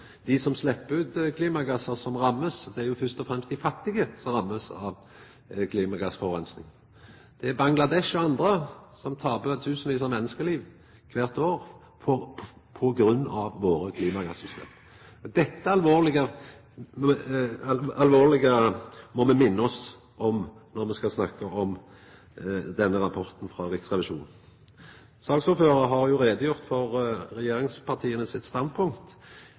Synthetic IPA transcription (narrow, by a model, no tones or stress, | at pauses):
d̪̥ɪsɔmslɛpːəʉːt̪kʰliːmɑɡɑsːəsɔmɾɑmːəsd̪ɛæɾjʊfœst̪ɔfɾɛmst̪d̪ɪfɑt̪ːɪɡəsɔmʁɑmːəsɑ̰ʋ | kʰliːmɑɡɑsfɔʋʁɛnsnɪŋ | d̪̥ɛæbɑŋlɑd̪ɛʃɔɑnd̪ɾəsɔmt̪ʰɑːbət̪ʰʉːsn̩ʋiːs̬ɑmɛnːəskəliːʋ | kʰʋæːʁt̪oːʁ | fʰɔpʰɔɡɾʉnːɑʋːoːɾəkʰliːmɑɡɑsːʏst̪ḛːm | d̪ɛt̪ːəɑlʋoːʁlɪɡə | ɑlʋoːʁlɪɡəmɔmɛmɪnːəɔs | ʔɔmnɔɾmɛskɑsnɑkːəʔɔm | d̪ɛnːəɾɑpʰɔʁt̪n̩fɾɑːɾɪksʁɛʋɪʃuːn | sɑːɡsuːføːɾʁəɦɑɾjʊɾeːd̪əjʊʁt̪fɔʁɾɛjeːɾɪŋspʰɑʁt̪ʰiːənəsɪt̪st̪ɑnd̪̚pʰʊŋkt̪